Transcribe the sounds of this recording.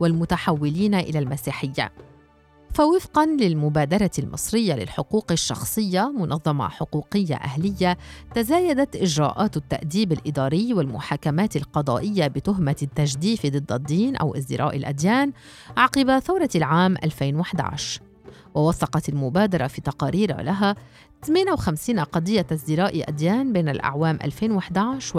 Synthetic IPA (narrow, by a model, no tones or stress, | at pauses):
walmʊt̪aħawːɪliːnaʔɪ̰lalmasiːħɪjːa̰ | fawɪfqɑnlɪlmʊbaːd̪ɑɾˤɑlmɨ̰sˤɾɪjːalɪ̰lħʊquːqɪʃːɑ̰xsˤɨjːamʊnʔɑðˤːɑmɑ̰ħʊquːqɪjːa̰ʔa̰hlɪjːat̪azaːjad̪at̪ʔɪʒɾa̰ːʔaːt̪t̪ːa̰ʔd̪iːbɪlʔɪd̪ɑːɾɪjːwalmʊħaːkamaːt̪ɪlqɑd̪ˤɑ̰ːʔɪjːabɪt̪ʊɦmat̪ːaʒd̪iːfid̪ˤɨd̪ːad̪ːiːnʔa̰wʔɪzd̪ɪɾʔa̰ːʔɪlʔa̰d̪jaːn | ʔaʕqɪbaθawɾˤɑlʕaːmʔa̰lfeːnwaħd̪a̰ʕ̰ʃ | wawɑsˤɑqɑt̪ɪlmʊbaːd̪ɑɾˤɑfiːt̪ɑqɑːɾiːɾa̰laɦa | t̪meːnawxamsiːnaqɑd̪ˤɪjːazd̪ɪɾaːʔʔa̰d̪jaːnbeːnalʔa̰ʕwaːmʔa̰lfeːnwaħd̪aʕʃ